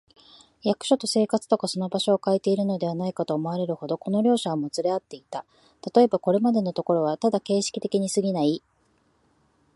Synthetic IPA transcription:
jakɯ̟̥ɕo̞t̪o̞se̞ːkat͡sɨ̥t̪o̞kaso̞no̞baɕo̞ːkait̪e̞iɾɯ̟no̞d̪e̞β̞anaikat̪o̞ːmo̞β̞aɾe̞ɾɯ̟ho̞d̪o̞ko̞no̞ɾʲo̞ːɕaɡamot͡sɨɾe̞at̪ːe̞it̪a | t̪at̪o̞e̞bako̞ɾe̞mad̪e̞no̞t̪o̞ko̞ɾo̞β̞at̪ad̪ake̞ːɕi̥kʲi̥t̪e̞kʲiɲ̟isɨɡʲinai

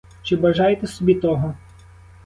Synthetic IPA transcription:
t͡ʃɪbɐʒɑjet̪ɛsɔbʲit̪ɔɦɔ

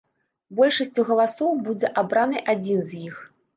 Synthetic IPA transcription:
bɔlʲʂɐsʲt͡sʲuɣɐlˠasɔwbud͡zʲɛʔabɾanɨjʔad͡zʲinzʲjix

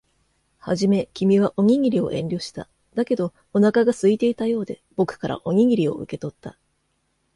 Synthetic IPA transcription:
haʑime̞kʲimʲiβ̞aʔo̞ŋʲiɡʲiɾʲio̞̰ʔẽ̞nʲɾʲo̞ːɕi̥t̪a̰ | d̪̥ake̞d̪o̞ | onakaɡasɨit̪e̞it̪ajo̞ːd̪e̞b̥o̞kɯ̟̥kaɾa̰ʔo̞ŋ̟ʲiɡʲiɾʲio̞̰ɯ̟̰ke̞t̪o̞t̪ːa̰

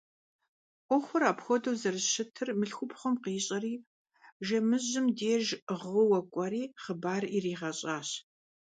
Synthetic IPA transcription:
ʔʷɔxʷʊɾaːpxʷɔdɐwzɐrʃɪtʰɨrmɨɬxʷʊpʰχʷɔmqiːɕʼɐriː | ʒɐmɨʑɪmdeːʒʁɨwɐkʷʼɐɾiːχəbaːririːʁɐɕʼaːɕ

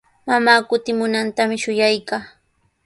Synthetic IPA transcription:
mamaːkʊt̪ɪmʊnant̪amɪʃʊjajkaː

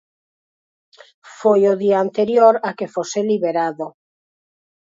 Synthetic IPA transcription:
fojoðiaːnt̪eɾjoɾakefoseliβeɾaðo

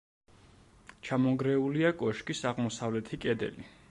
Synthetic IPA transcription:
t͡ʃʰamɔɡɾɛuliakʼɔʃkʼisaʁmɔsavlɛt̪ʰikʼɛd̪ɛ̰li

